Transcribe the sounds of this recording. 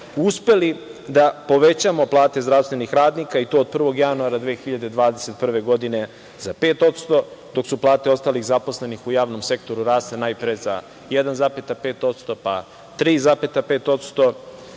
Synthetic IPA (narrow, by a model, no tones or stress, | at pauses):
uspe̞lid̪apo̞ʋet͡ɕamo̞plˠaːt̪e̞zd̪ɾafst̪ʋe̞nixɾaːd̪nikait̪oːd̪̚pr̩ʋo̞ɡjanuaɾad̪ʋeːxiʎad̪e̞d̪ʋaːd̪eset̪̚pr̩ʋe̞ɡo̞d̪ine̞ | zape̞ːt̪o̞t̪st̪o̞d̪o̞ksuplˠaːt̪eo̞st̪aːliɣzapo̞sle̞nixujaːʋno̞mse̞k̚t̪o̞ɾuɾaːst̪enajpɾeza̰ | jɛd̪anzapet̪apeːt̪o̞t̪st̪o̞pa̰ | t̪ɾiːzaːpet̪apeːt̪o̞t̪st̪o̞